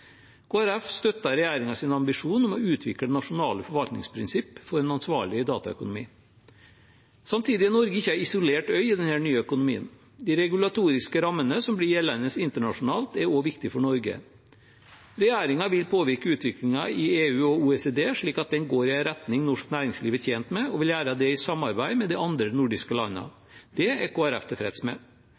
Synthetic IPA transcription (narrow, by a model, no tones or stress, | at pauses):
kʰoːæɾɛfst̪œt̪ːɑɾɛjæːɾɪŋɑsɪnɑmbɪʂuːnɔmɔʉːt̪ʰʋɪkəd̪ɛnːɑʂʊnɑːləfɔɾʋɑlt̪nɪ̰ŋspʰɾɪnsɪpːfɔɾɛnɑnsʋɑːɭɪd̪ɑːt̪ɑ̰œ̰kʊnʊmḭː | sɑmt̪ʰiːd̪ɪnɔɾɡəɪçːəæɪɪsʊleːʈœʏɪd̪ɛnhæːɳyːəœkʊnʊmḭːə̰n | d̪ɪːɾɛɡʉlɑt̪ʰuːɾɪskəɾɑmːənəsɔmblɪɾjɛlɛnəsɪnt̪əɳɑʂʊnɑːlt̪ɛɾoːʋɪkt̪ɪfɔɳɔɾɡə̰ | ɾɛjæːɾɪŋɑʋɪlpʰoːʋɪɾkəʉːt̪ʋɪklɪŋɑɪeːʉːɔuːɛsed̪eːʂɭiːkɑt̪̚d̪ɛnɡoːɾɪɛɾɛt̪nɪŋnɔʂknæːɾɪŋsliːʋət̪ʰjeːnt̪mɛɔʋɪljæːɾəd̪ɛɪsɑmɑɾbæɪmɛd̪iɑnd̪ɾənʊɖɪskəlɑnːə̰ | d̪̥ɛɛkʰoːæɾɛ̰ft̪ʰɛfɾɛ̰d̪smɛ̰